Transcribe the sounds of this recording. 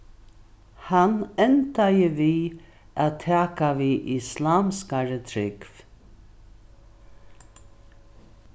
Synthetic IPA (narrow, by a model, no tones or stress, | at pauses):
hanɛnt̪ajəviː | aðt̪ʰæːkaviʔɪslaːmskaɹət̪ʰɾɪkv